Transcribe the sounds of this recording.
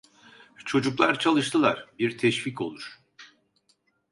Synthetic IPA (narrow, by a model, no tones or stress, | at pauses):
t͡ʃʰo̞d͡ʒuklˠaɾt͡ʃʰalˠɯʃt̪ʰɯlˠaɾ̥biɾt̪ʰɛʃvicʰo̞̰lˠuɾ̥